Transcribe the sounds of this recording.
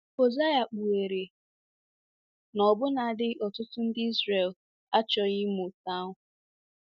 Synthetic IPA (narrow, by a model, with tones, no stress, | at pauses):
o˨za˦ja˨k͡pu˨e˨ɾe˨ | nɔ˨bʊ˦na˨a˨dɪ˦ʔɔ˨tʊ˦tʊ˦n̩˦dɪ˦i˦zre˨l | a˦t͡ʃɔ˨ɣɪ˦mʊ˨ta˦ʊ˨˦